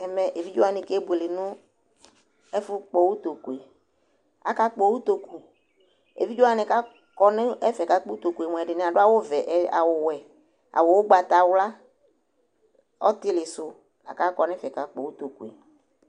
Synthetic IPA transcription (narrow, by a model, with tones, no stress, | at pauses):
ɛ˨mɛ˨ʔe˨vi˦d͡ʒo˦a˦nɪ̃˨ke˦be˨lɪ˨nʊ̃˦ | ɛ˦fʊ˦k͡po˨wu˦t̪o˨ku˨e˨ | a̰˨ka˦k͡po˦wu˦t̪o˨ku˨ | ḛ˨vi˦d͡ʒo˦a˦nɪ̃˨ka˦ | kɔ˦nɪ̃˦ɛ˦fɛ˨ka˦k͡po˦u˦t̪o˨ku˨e˨mʷ˨ɛ˨ɖɪ˨nɪ̃˨a˨ɖʊ˦a˦wo˦vɛ˨ʔa˨wʊ˨wɛ˨ | a̰˨wʊ˨wʊ˦ɡ͡ba˨t̪a˨wla˦ | ɔ̰˦t̪ɪ˦lɪ˨sʊ˨ | a̰˨ka˦kɔ˨n˦fɛ˨ka˨k͡po˨wu˦t̪o˨ku˨ḛ˨